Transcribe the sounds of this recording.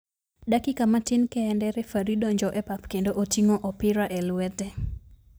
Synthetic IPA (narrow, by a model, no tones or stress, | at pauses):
dakɪkamatɪnkɛːndɛɾɛfaɾidɔɲd͡ʒɔʔɛpapkendoʔotiŋɔʔɔpɪɾaʔɛlwɛtɛ